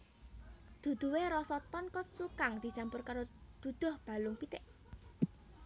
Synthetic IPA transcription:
d̪̥ṳd̪̥ṳweɾɔsɔt̪ɔnkɔt̪̚sukaŋd̪̥i̤t͡ʃampʊrkaɾod̪̥ṳd̪̥ɔ̤hb̥a̤lʊŋpit̪ɪʔ

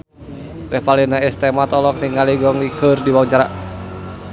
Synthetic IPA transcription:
rɛfalinaist̪ɛmat̪ɔlɔk̚niŋaliɡɔŋlikərdiwauɲt͡ʃaɾa

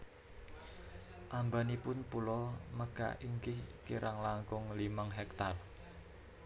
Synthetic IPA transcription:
ʔambanipʊnpulɔməɡ̥a̰ʔiŋkɪhkiɾʔaŋlaŋkʊŋlimaŋɦɛkt̪ar

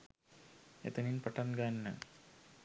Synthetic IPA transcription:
ḛt̪ːɐninpɐʈːɐnɡaːnːɐ̰

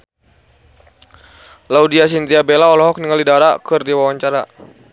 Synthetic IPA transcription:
laudias̬int̪iabelaɔlɔɦɔk̚niŋalidaɾakɨrdiwawaɲt͡ʃaɾa

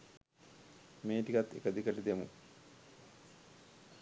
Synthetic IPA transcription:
meːʈikat̪ːḛkəd̪ikəʈid̪emṵ

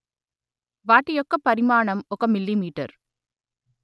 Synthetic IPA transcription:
ʋaːʈːɪjɔkːɐpːɐɾɪmaːɳɐmɔkːɐmɪlːimiːʈːɐ̰ɾ

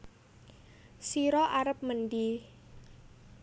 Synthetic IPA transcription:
siɾɔʔaɾəp̚mənd̪i

